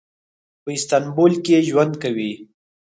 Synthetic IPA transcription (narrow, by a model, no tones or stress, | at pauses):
pəɪst̪anbolkeʒwand̪̚kawi